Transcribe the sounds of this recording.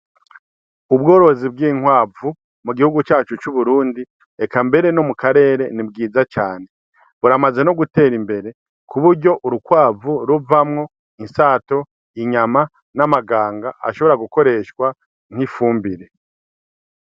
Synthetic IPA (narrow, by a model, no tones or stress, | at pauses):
ubɡo̞ːɾo̞zibɡiːŋ̥waːvu | muɡihuɡut͡ʃaːt͡ʃut͡ʃuβuɾuːndi | ekambe̞ɾe̞no̞mukaɾe̞ːɾe̞nibɡiːzat͡ʃaːne | βuɾamaze̞noɡute̞ːɾimbe̞ɾe̞ | kʰuβuɾɟo̞ʔuɾukwaːvuɾuvamŋo̞ | insaːto̞ | iɲama | namaɡaːŋɡaʔa̰ʃo̞βo̞ɾaɡuko̞ɾe̞ʃkwa | ŋ̥hifuːmbiɾe̞